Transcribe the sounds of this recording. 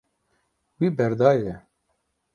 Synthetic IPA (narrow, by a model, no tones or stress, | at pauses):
wibɛɾd̪ɑːjejɛ